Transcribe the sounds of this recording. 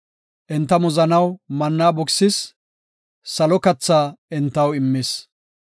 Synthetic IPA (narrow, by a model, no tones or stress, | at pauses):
ʔɛnt̪ːɐmɔzɐnɐwmɐnːaːbɔksɪs | sɐlɔkɐt͡sːaːɛnt̪ːɐwɪmːɪs